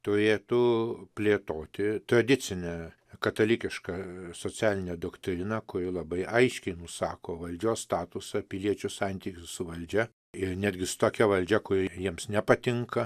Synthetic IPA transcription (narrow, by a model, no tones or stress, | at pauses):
t̪ʊɾʲeːt̪ʊpʲlʲeːt̪oːt̪ʲɪt̪ɾɐd̪ʲɪt͡ssʲɪnʲɛ | kɐt̪ɐlʲikʲɪʃkɐsoːt͡sʲæːlʲɪnʲeːd̪oːkt̪ʲɾʲɪnɐkʊɾʲɪlˠɐbɐɪʔɐɪʃʲkʲɛɪnʊsɑːkoːʋɐlʲd͡ʒʲoːsst̪ɑːt̪ʊsɐpʲɪlʲiɛt͡ʃʲʊsɑnʲt̪ʲikʲʊssʊʋɐlʲd͡ʒʲɛ | ɪnʲæːd̪ʲɡʲɪsʊ̥t̪oːkʲɛʋɐlʲd͡ʒʲɛkʊɾʲɪjiɛmsnʲɛpɐt̪ʲɪŋkɐ